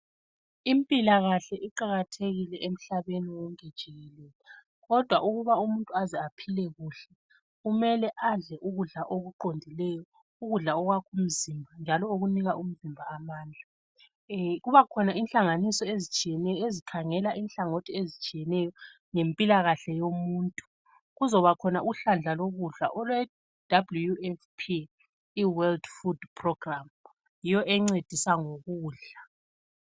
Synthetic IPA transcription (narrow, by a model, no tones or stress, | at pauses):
impʼilaɣaɬɛʔiǃaɣatʰeɣilɛʔem̩ɬaβeniwɔŋed̥ʒ̥ʱiɣɛlɛːlɛ | ɣɔd̥ʱwaʔuɣuβaumuntʼuazɛapʰilɛɣuːɬɛ | ɣumɛlɛʔaɮɛʔuɣuɮaʔoɣuǃondʱilɛjɔ | uɣuɮaɔɣwakʰum̩zimbʱand͡ʒʱalɔoɣuniɣaʔum̩zimbʱaːmaːnd͡ɮʱa | ɣuβakʰɔnainɬaŋanisɔezit͡ʃʼijɛnɛjɔezikʰaŋɛlaʔinɬaŋotʰiezit͡ʃʼijɛnɛjɔ | ŋempʼilaɣaɬɛjomuːntʼu̥ | ɣuzɔβakʰɔnaʔuɬand͡ɮʱaloɣuɮa̰ʔɔlwɛ | d̥ablujuɛfpʰiː | wɛldfudpʰrɔɡram | jijɔʔɛŋ͡ǀed̥ʱisaŋoɣuːɮa